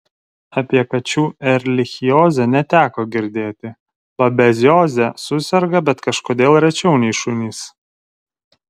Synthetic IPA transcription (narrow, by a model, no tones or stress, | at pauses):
ɐpʲiɛkɐt͡ʃʲuːɛɾʲlʲɪxʲɪjoːzʲɛnʲɛt̪ʲæːkoːɡʲɪɾʲd̪ʲeːt̪ʲɪ | bɐbʲɛzʲjoːzʲɛsʊsʲɛɾɡɐbʲɛt̪kɐʃkoːd̪ʲeːlˠɾʲɛt͡ʃʲɛʊnʲɛɪʃʊnʲiːs